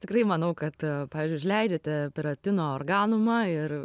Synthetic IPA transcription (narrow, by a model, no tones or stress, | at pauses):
t̪ʲɪkɾɐɪmɐnɐʊkɐt̪pɑːʋʲiːzʲd͡ʒʊɪʃʲlʲɛɪd͡ʒʲɛt̪ʲɛpʲɪɾɐt̪ʲɪnoːoːrɡɑːnʊmɐɪr